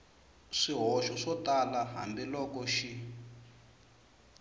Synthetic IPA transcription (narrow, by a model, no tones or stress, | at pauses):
ʂiɦɔʃɔʂɔtalaɦa̰ndilɔkɔʃi